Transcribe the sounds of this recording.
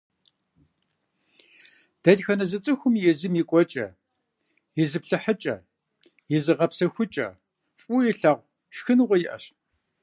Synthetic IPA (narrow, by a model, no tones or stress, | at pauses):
d̥ɐdxɐnɐzɨt͡sʼɨxʷʊmjɛzɨmikʷʼɔt͡ʃʼɐ̰ | jɪzɨpɬɨħət͡ʃʼɐ̰ | jɪzɨʁɐpsɐxʷʊt͡ʃʼɐ̰ | fʼuːjɛɬaːʁʷ | ʃxɨnʁʷɔjɪʔɐ̰ɕ